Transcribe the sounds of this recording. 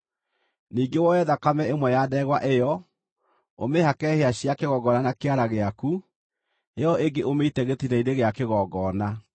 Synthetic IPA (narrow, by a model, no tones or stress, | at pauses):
niːɡewɔɛðakamɛemwɛjadɛɛɣwaʔejɔ | omehakɛheaɕiakeɣɔɡɔnanakeaɾaɣeaku | ejɔeŋɡeʔomeitɛɣetinaideɣeakeɣɔɡɔːna